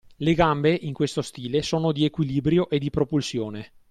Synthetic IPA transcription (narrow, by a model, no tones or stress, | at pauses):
leɡambeʔiŋkwest̪ost̪iːlesoːnod̪iekwiliːbɾjoʔed̪ipɾopulsjoːne